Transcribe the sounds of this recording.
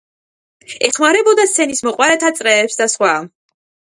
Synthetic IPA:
ɛχmaɾɛbɔd̪ast̪sʰɛnismɔqʼwaɾɛt̪ʰat̪sʼɾɛːpsd̪asχwa

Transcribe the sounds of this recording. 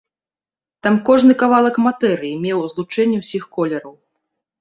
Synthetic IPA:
t̪amkɔʐnɨkavalˠɐkmat̪ɛɾɨjimʲɛwzlˠut͡ʂɛnʲːɛwsʲixkɔlʲɛɾɐw

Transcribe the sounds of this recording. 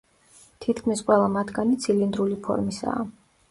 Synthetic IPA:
t̪ʰit̪ʰkʰmisqʼwɛlˠamat̪ʰɡanit̪sʰilind̪ɾulipʰɔ̰ɾmisa̰ː

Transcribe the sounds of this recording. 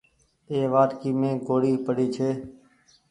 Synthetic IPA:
eːʋaːɾkiːmẽːɡoːɽiːpəɽiːt͡ʃʰeː

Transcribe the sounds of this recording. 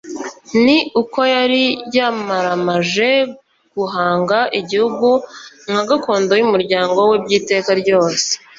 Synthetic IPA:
niuko̞jaɾijamaɾamaʒe̞ | ɡ̥uɦaːŋɡaʔiɟihuɡu | ŋ̥haɡako̞ːndo̞jumuɾɟaːŋɡo̞webɟiːte̞ːkaɾɟo̞ːse̥

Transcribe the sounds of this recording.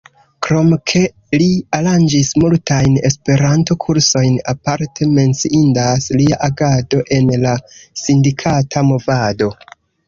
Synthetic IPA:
kɾo̞mkʰe̞ | liaɾand͡ʒismultajne̞̰spe̞ɾanto̞kʰuɾso̞jnapaɾtʰe̞me̞nt͡siʔindasliaʔaɡado̞ʔe̞nlasindikʰatʰamo̞vado̞

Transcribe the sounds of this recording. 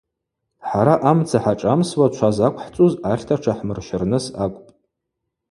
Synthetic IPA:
ħaɾaʔamt͡sʰaħaʈ͡ʂʼamswat͡ʃʷʰazakʷʰʼħt͡sʼuzaχʲtʰaʈ͡ʂʰaħmɨrʃɪrnɨsakʷʼpʼ

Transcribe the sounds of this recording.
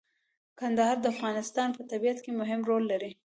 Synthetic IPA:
kand̪aɦɑɾd̪əafɣɑnɪst̪ɑnpət̪abijat̪kemʊɦɪmɾolːaɾi

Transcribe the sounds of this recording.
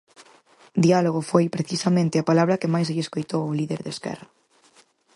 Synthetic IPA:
d̪ialoɣ̞ofojpɾeθisɐmẽnt̪ɪapalaβɾɐkɪmajsʎeskojt̪owʊliðeɾðeskɛ̰rɐ

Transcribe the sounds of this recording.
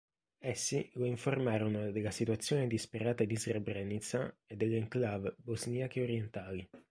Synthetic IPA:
ɛsːiɡoiɱformaːɾonod̪elasit̪uat̪sːjoːned̪ispeɾaːt̪ad̪izrebɾɛnit̪saed̪ːelːeŋklavbozniakeoɾjent̪aːli

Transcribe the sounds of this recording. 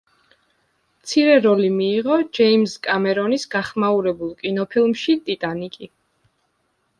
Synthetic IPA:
mt̪sʰiɾɛɾɔlimiːʁɔd͡ʒɛimskʼamɛɾɔnisɡaχmauɾɛbulˠkʼinɔpʰilˠmʃit̪ʼit̪ʼanikʼi

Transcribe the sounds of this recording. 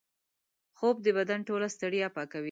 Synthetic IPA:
xob̚d̪əbad̪anʈolast̪əɽjɑpɑkawi

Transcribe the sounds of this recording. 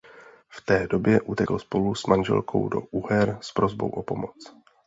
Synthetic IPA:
ft̪ɛːdo̞bjɛʔut̪ɛkl̩spo̞lusmanʒɛ̰lkʰo̞̰wdo̞̰ʔuɦɛɾspɾo̞zbo̞̰wʔopo̞mot͡s

